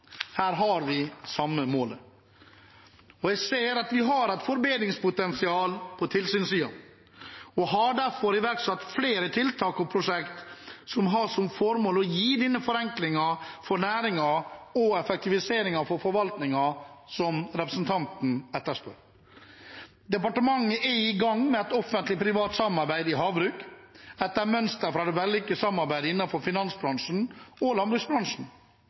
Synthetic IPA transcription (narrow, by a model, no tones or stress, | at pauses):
hæːɾɦɑɾʋɪsɑmːəmoːlə | ɔjɛseːɾɑt̪ʋɪɦɑɾɛɪt̪fɔɾbeːd̪ɾɪŋspʊt̪ɛnsɪɑːlpʰɔt̪ʰɪlsyːnsyːɑn | ɔɦɑɖæɾfɔɾɪʋæɾʈsɑt̪ːfleːɾət̪ʰɪlt̪ʰɑːkɔpʰɾʊʂɛkt̪sɔmɦɑsɔmfɔɾmoːlɔjiːd̪ɪnːəfɔɾɛŋklɪŋɑfɔɾnæːɾɪŋɑɔɛfɛk̚t̪ɪʋɪseːɾɪŋɑfɔɾfɔɾʋɑlt̪nɪŋɑsɔmɾɛpɾəsnt̪ʰɑnt̪n̩ɛt̪ːəʂpœɾ | d̪ɛpɑʈəmɑŋːəʔɛɪɡɑŋmɛɛt̪ɔfənt̪lɪpʰɾɪʋɑːt̪sɑmɑɾbæɪd̪ɪɦɑːbɾʉːkɛt̪ːəɾmœnst̪əɾfɾɑd̪ɛʋɛlːɪkːəsɑmːɑɾbæɪd̪əɪnːɑfɔɾfɪnɑnsbɾɑŋʂn̩ɔlɑnbɾʉːksbɾɑŋʂn̩